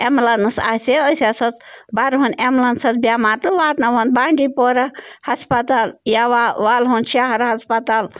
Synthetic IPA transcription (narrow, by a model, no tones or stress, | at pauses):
emlɐnɨsa̰ːseosasɐt͡sbaɾɦunʲemlɐnsɐt͡sbʲjaːmaːɾt̪uʋaːt̪nɐʋɐnd̪̚baːɳɖipoɾɐhɐspɐt̪aːljaʋaʋaːlɦunʃaɦɐɾɦɐspɐt̪al